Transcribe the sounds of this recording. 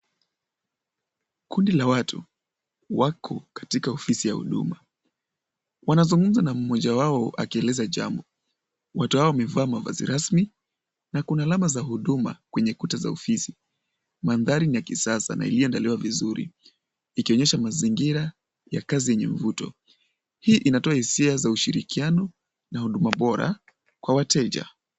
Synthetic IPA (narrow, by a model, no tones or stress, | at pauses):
kundilawatʰu | wakʰɔkḁtikaɔfisija̰hṵɗṵma | wanazuŋɡum̩zanam̩mɔʄawaɔa̰kiɛlɛzaʄa̰mbɔ | watuhawɔwamɛvaːmava̰zḭɾasmi | nakunaalamazaɦuɗuma̰kwɛɲɛkutaza̰ɔfisi | manðaɾinijakisasa̰na̰ḭliɔɛndaliwavizuɾḭ | ikiɔɲɛʃamaziŋɡiɾa | ja̰kazijɛɲɛɱ̩vutɔ̰ | hiːʔinatɔahisiazauʃiɾikianɔ | nahuɗumaɓɔɾa̰ | kwawatɛʄa̰